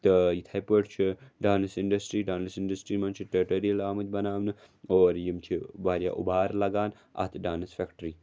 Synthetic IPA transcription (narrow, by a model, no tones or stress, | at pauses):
t̪ɨjit̪ʰajpəʈt͡ʃʰiɖaːnɐsiɳɖɐsʈɾiːɖaːnɐsiɳɖɐsʈɾiːmɐnt͡ʃʰiʈɐʈoɾijɐlaːmɐt̪ʲbɐnaːʋnɨ | oːɾjimt͡ʃʰibaːɾja̰ːʔṵbaːɾlɐɡaːn | ɐ̰t̪ʰɖaːnɐsfekʈɾiː